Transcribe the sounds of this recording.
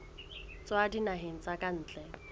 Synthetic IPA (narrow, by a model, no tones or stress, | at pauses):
t͡sʼoadinaɦeŋ̩t͡sʼakʼan̩ːt͡ɬʼɛ